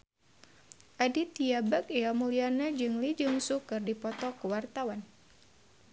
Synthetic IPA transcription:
ʔadit̪iabak̚iamulianad͡ʒɨŋlid͡ʒɨŋsukɨrdipɔt̪ɔkəwart̪awan

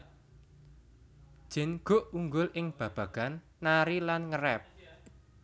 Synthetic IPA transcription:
d̥ʒ̥ɛ̤nɡ̥o̤ʔuŋɡʊlʔɪŋb̥ä̤b̥ä̤ɡ̥a̤nːaɾilanŋəɾɛp̚

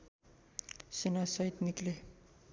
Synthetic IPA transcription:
senasʌjt̪nikle

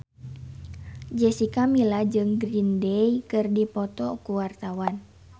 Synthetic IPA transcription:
d͡ʒɛsikamilahd͡ʒɨŋɡɾindɛjkɨrdipɔt̪ɔkuwart̪awan

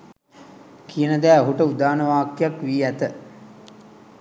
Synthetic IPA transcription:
kʰijənəd̪æːəɦuʈəud̪aːnəʋaːkːjakʋiːæt̪ə

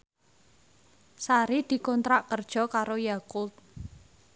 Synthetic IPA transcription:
saɾid̪̥i̤kɔnt̪ɾaʔkərd̥ʒ̥ɔ̤kaɾojakʊt̪̚

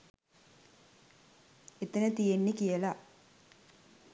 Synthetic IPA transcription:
et̪ənət̪ijenːikijəla

